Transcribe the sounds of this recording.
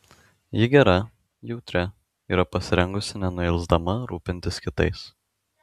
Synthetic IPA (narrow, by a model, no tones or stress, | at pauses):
jɪɡʲɛɾɐ | jɛʊt̪ʲɾʲɛ | iːɾɐpɐsʲɪɾʲɛŋɡʊsʲɪnʲɛnʊɪlʲˠzd̪ɐmɐɾuːpʲɪnʲt̪ʲɪskʲɪt̪ɐ̰ɪs